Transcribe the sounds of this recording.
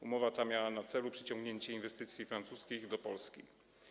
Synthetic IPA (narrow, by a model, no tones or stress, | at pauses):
umɔvat̪amʲjawanat̪sɛlupʂɘ̥t͡ɕɔ̃ŋɡɲeɲt͡ɕɛinvɛst̪ɘt̪sʲjifɾant̪suskʲiɣd̪ɔpɔlskʲi